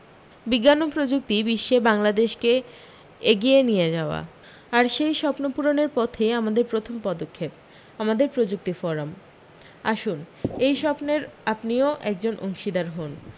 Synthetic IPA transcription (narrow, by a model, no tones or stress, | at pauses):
biɡːanopɾod͡ʑuk̚t̪ibiʃːebaŋlad̪eʃke | eɡijenijed͡ʑaoa̰ | aɾʃejʃɔpnopuɾoneɾpɔt̪ʰeamad̪eɾpɾot̪ʰompɔd̪okʰːep̚ | amad̪eɾpɾod͡ʑuk̚t̪ifɔɾam | aʃunejʃɔpneɾapnioʔɛk̚d͡ʑonʔo̰ŋʃid̪aɾɦon